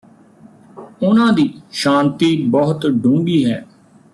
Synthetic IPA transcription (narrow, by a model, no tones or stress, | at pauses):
ʊnãːd̪iːʃãːnt̪iːbɔɦt̪ɖũːŋɡiːɦɛː